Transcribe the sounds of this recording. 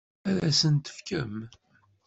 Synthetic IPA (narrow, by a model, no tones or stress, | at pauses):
æðæsənt̪ə̥fkəm